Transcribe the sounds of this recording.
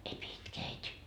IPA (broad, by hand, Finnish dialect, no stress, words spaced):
ei pie itkeː æitʲi